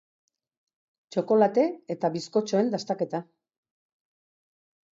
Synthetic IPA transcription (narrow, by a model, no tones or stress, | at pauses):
t͡ʃo̞ko̞lat̪e̞et̪aβisko̞t͡ʃo̞e̞nd̪ast̪ake̞t̪a